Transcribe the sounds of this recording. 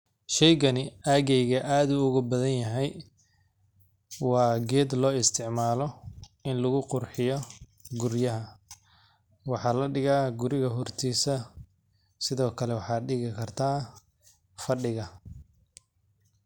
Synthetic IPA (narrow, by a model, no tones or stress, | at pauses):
ʃɛjɣɐnɪaːɣɛjɣɐʔaːd̪ʊʊɣʊbɐðɐnjɐɦɛj | wɑːɡɛːd̪lɔːɪst̪ʰɪʕmaːlɔɪnlʊɣʊqʊrħɪjɔ | ɡʊɾjɐɦɐ | wɑħɑːlɐɖɪɣaːɡʊɾɪɣɐɦɔrt̪ʰiːsɐ | sɪðɔːkʰɐlɛwɑħɑːɖɪɣɪkʰɐrt̪ʰaː | fɐɖɪɣɐ